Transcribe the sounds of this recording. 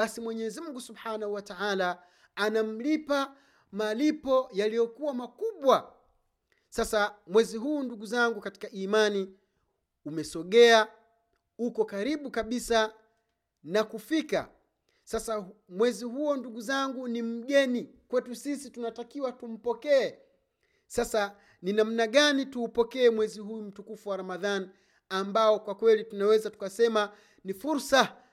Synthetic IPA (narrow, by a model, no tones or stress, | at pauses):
ɓasimwɛɲɛzimm̩uŋɡusubħanahuwataala | anam̩lipa | malipɔjalijɔkuwamakuɓwa | sasamwɛziɦuːnduɡuzaŋɡukati̥kaʔiːmani | umɛsɔɠɛa | ukɔkaɾiɓukaɓisa | nakufika̰ | sasamwɛziɦuɔnduɠuzaŋɡunim̩ɠɛni | kwɛtusisitunatakiwatum̩pɔkɛɛ | sasa | ninam̩naɠanituːpɔkɛɛmwɛziɦujum̩tukufuwaɾamaðan | ambaɔkwakwɛlitunawɛzatu̥kasɛma | nifuɾsa